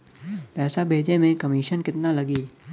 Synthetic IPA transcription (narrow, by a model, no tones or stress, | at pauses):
pɛːsabʱeːd͡ʒemẽkɐmiːʃənkɪt̪nalɐɡiː